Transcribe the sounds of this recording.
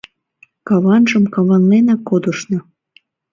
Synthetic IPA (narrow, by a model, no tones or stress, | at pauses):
kɑβɑnʒəmkɑβɑnlenɑkːod̪əʃnɤ